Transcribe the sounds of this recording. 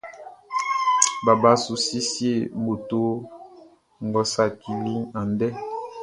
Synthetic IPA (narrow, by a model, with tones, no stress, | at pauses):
ba˨ba˨˦su˨si˦si˦e˦˨bo˨to˦ | ŋ˨ɡɔ˨˦sa˦˨ki˨li˦ŋa˨ndɛ˦